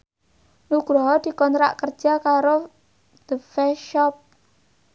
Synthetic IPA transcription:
nuɡ̥ɾɔɦɔd̪̥i̤kɔnt̪ɾa̰ʔkər̥ʒ̥a̤kaɾo | d̪̥əfɛʃɔp̚

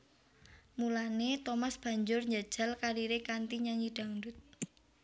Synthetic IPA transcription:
mulanet̪omasb̥a̤ɲd͡ʒʊrɲd͡ʒad̥ʒ̥a̤lkaɾiɾekant̪iɲaɲiɖ̥a̤ŋɳdʊt̪̚

